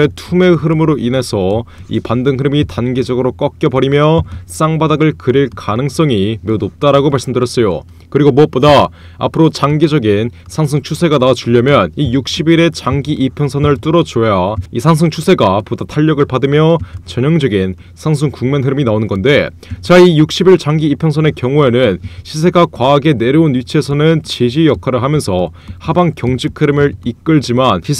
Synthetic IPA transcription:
etʰume̞ɦɯɾɯmɯɾoʔinɦe̞sʰʌḭpandɯŋɦɯɾɯmitanɡed͡ʑʌɡɯɾok͈ʌk̚k͈jʌbʌɾimjʌs͈aŋbadaɡɯɭkɯɾiɭkanɯŋs͈ʌŋime̞unop̚t͈aɾaɡomaɭs͈ɯmdɯɾjʌs͈ʌjo̰ | kɯɾiɡomuʌp͈oda | a̰pʰɯɾot͡ɕaŋɡid͡ʑʌɡinsʰaŋs̬ʰɯŋt͡ɕʰusʰe̞ɡanawat͡ɕuʎːʌmjʌnijuk̚ɕ͈ibiɾe̞t͡ɕaŋɡiʔipʰjʌŋsʰʌnɯɭt͈ɯɾʌt͡ɕojaisʰaŋsʰɯŋt͡ɕʰusʰe̞ɡapodatʰaʎːʌɡɯɭpadɯmjʌt͡ɕʌɲjʌŋd͡ʑʌɡin | sʰaŋs̬ʰɯŋkuŋmenɦɯɾɯminaonɯnɡʌnde̞ | t͡ɕaijuk̚ɕ͈ʰibiɭt͡ɕaŋɡiːpʰjʌŋsʰʌne̞kjʌŋue̞nɯnɕʰis̬ʰe̞ɡakwaːɡe̞ne̞ɾɯunjit͡ɕʰiesʰʌnɯnt͡ɕed͡ʑijʌkʰaɾɯɭhamjʌnsʰʌ | habaŋkjʌŋd͡ʑikʰɯɾɯmɯɾik͈ɯɭd͡ʑimani

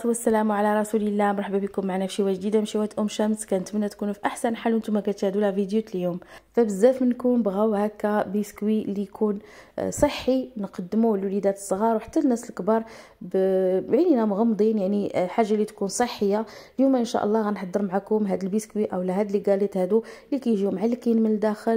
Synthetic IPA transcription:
t̪wəsːælæmwʕalæɾˤɑsuləlːæmɾˤħbabikʊmːaʕanæfʃiwæʒd̪id̪amʃiwæt̪ʔʊmʃæmskænət̪mnːæt̪kunufiʔaħsænħalʔənt̪umækænt̪hd̪ulhævid̪jut̪ljumfæbəzːæfmənkunbɣæwhækæbiskwilːijkʰunsˤəħːinqɑd̪ːmulwlid̪æt̪ə̥sˤːɣɑɾwħḁt̪ːænːæsəlkbɑɾˤ | bʕininæmɣɑmd̪ˤinjaʕniħaʒːalit̪kunsˤəħːəjːaljumæʔənʃæ̰ʔə̰lˤːɑɣænħɑd̪ˤːəɾmʕakʊmɦæd̪əlbiskwiʔæwlːæɦæd̪əliɡælət̪hæd̪ulikæjʒimʕalkinmənəd̪æxəl

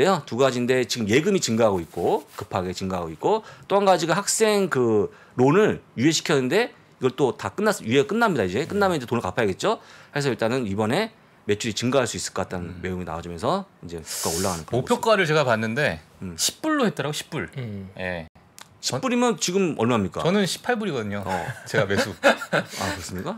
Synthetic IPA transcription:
ejotuɡad͡ʑinde̞t͡ɕiɡɯmje̞ɡɯmit͡ɕɯŋɡaɦaɡoik̚k͈okɯpʰaɡe̞t͡ɕɯŋɡaɦaɡoit̚k͈ot͈oɦanɡad͡ʑiɡahak̚s͈e̞ŋkɯ | ɾonɯɭjue̞ɕʰi̥kʰjʌnɯnde̞ | iɡʌɭt͈otak͈ɯnːas͈jue̞ak͈ɯnːamɲidaid͡ʑe̞k͈ɯnːamjʌid͡ʑetonɯɭkapʰajʌɡe̞t̚t͡ɕ͈ohes̬ʰʌiɭt͈anɯnibʌne̞ | me̞t͡ɕʰuɾit͡ɕɯŋɡaɦaɭs͈uis͈ɯɭkʌkat͈anme̞joŋina̰wad͡ʑumjʌnsʰʌind͡ʑe̞pʰu̥k͈aoɭːaɣanɯnkʌmopʰjokk͈aɾɯɭt͡ɕe̞ɡapanːɯnde̞ɯɕʰi̥p͈uɭːohet̚t͈ʌɾaɡoɕʰi̥p͈uɭje | ɕʰip͈uɾimjʌnt͡ɕiɡɯmʌɭmaɦamɲik͈a̰ʌnɯnɕʰi̥pʰaɭbuɾiɡʌdɯɲoʌ̰t͡ɕeɡamesʰua̰kɯɾʌs͈ɯmɲik͈a

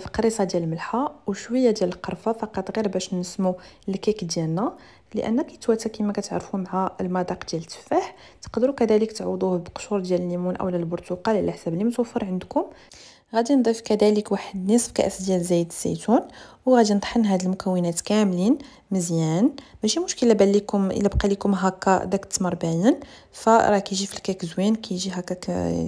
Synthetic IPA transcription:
fiqɾisˤɑd̪jæləlməlħawʃwəjːad̪jæləlqɑɾˤfɑfɑqɑt̪ˤɣiɾbæʃnəsmulkikd̪jælnæ | lə̰ʔə̰nːækæjət̪wæt̪ːəkimækæt̪ʕ̰ɾfumaʕæəlmɑd̪ˤɑqd̪jælət̪ːə̥faħ | t̪ə̥qd̪əɾukæd̪æləkt̪ʕwd̪ˤubəqʃuɾˤd̪jæləlːimunʔæ̰wlælbʊɾt̪uqɑllʔəħsæblːimt̪wæfːəɾˤʕənd̪kʊm | ɣæd̪ind̪ˤifkæd̪æləkwaħəd̪nəsˤb̚kæ̰ʔəfd̪jælzæjəd̪əsːḭt̪unwɣæd̪inət̪ˤħənɦæd̪əlmʊkæwːənæt̪kæmlin | məzjænbæʃimʊʃkəlabælikʊmə̰lːæbqɑlikʊmɦækːæd̪ækt̪ːməɾˤbæjən | fæɾˤɑkæjʒifilkækəzwinkʰæjʒiɦækːæk

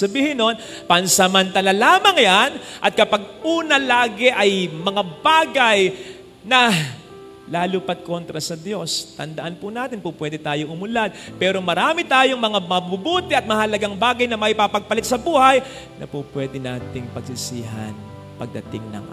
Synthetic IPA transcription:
ɐbiːhɪnon | pɐnsɐmɐnt̪ɐlalaːmɐŋjanʔɐt̪̚kɐpaɡ̚uːnɐlaːɡɛʔɐjmɐŋabaːɡɐj | nɐ | laːlupɐt̪̚ko̞nt̪ɾɐsɐd̪jo̞st̪ɐnd̪ɐʔanpʊnaːt̪ɪnpupwɛːd̪ɪt̪aːjoʔʊmʊlad̪̚pɛːɾo̞mɐɾaːmɪt̪aːjoŋmɐŋamɐbubuːt̪ɛʔɐt̪̚mɐhɐlɐɡaŋbaːɡɐjnɐmɐʔɪpapɐɡ̚pɐlɪt̪̚sɐbuːhɐj | nʔɐ̰pupwɛːd̪ɪnaːt̪ɪŋpɐɡsɪsiːɦɐ̰n | pɐɡ̚d̪ɐ̰t̪ɪ̰ŋnɐ̰ŋʔa̰

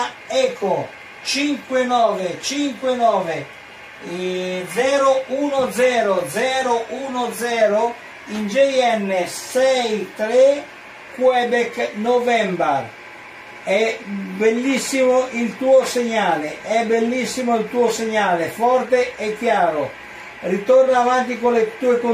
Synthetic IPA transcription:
ɛko | t͡ʃiŋkwɪnɔːvet͡ʃiŋkwɪnɔːve | d̪zɛːɾʊʔuːnʊd̪zɛːɾod̪zɛːɾoʔuːnod̪zɛːɾʊ | ind͡ʒɛjɛnːesɛjt̪ɾe | kwɛbɛknovɛmbaɾ | ɛbelːisːimoʔilt̪uːoseɲːaːleʔɛbelːisːimoilt̪uːoseɲːaːlefɔrt̪eɛkːjaːɾo | rit̪ornaavant̪ikolet̪uːeko

